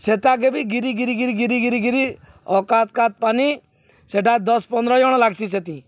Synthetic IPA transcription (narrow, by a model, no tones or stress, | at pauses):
set̪ak̬ebiɡiɾiɡiɾiɡiɾiɡiɾiɡiɾiɡiɾi | ɔkat̪̚kat̪̚pani | seʈad̪ɔspɔnd̪ɾɔd͡ʒɔɽ̃ɔlaɡsiset̪ĩ